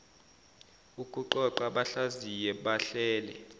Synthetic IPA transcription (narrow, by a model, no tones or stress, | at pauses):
ukʼuǃɔǃaɓaɬazijɛɓaɬɛːlɛ̰